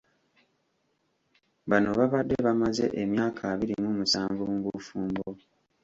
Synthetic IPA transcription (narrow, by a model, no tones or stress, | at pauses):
βano̞βaβadːeβamaze̞̰ʔemjaːkʰaːβiɾimuːmusaːɱvuŋɡufuːmbo